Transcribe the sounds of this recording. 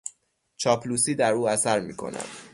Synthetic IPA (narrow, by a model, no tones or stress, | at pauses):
t͡ʃʰɒːpʰlusiːd̪æɾuːæsæɾmiːkʰo̞̰næ̰d̪̥